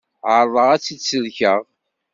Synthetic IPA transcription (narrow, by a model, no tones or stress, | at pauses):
ʕəɾˤðˤəʁæt͡sːisəlçəʁ